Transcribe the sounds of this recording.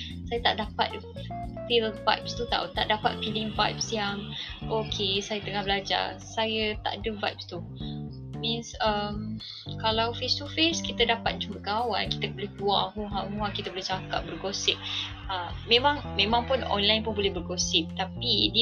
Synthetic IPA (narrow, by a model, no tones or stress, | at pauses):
sajət̪aʔdapa̰t̪̚ | filva̰jp̚st̪ut̪a̰ʔut̪a̰ʔdapat̪̚filiŋvajp̚sijaŋʔokʰesajət̪əŋahbəlad͡ʒa̰sajət̪a̰ʔadəvajp̚st̪u | mĩnsəm | kalawfest̪ufeskit̪ədapat̪̚t͡ʃumbəkaawa̰nki̥t̪əbolɛhkuaʔɦuɦaŋuakit̪əbolɛht͡ʃakap̚bərɡosɪp̚ | əmmẽmãŋmẽmãŋpʊnɔ̰nlajnpʊnbolɛhbərɡosɪp̚t̪apidi